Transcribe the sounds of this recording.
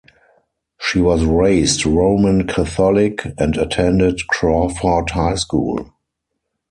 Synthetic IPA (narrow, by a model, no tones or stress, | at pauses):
ʃiwɔzɹeɪstɹoʊmə̃nkʰaθɔlɪkʰɛ̃ndatʰɛ̃ndɪtkʰɹɔfɔthaɪskṵːl